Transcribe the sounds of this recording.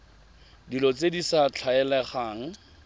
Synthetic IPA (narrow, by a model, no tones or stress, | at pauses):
dilɔt͡sedisat͡ɬʰaɛlɛχaːŋ̩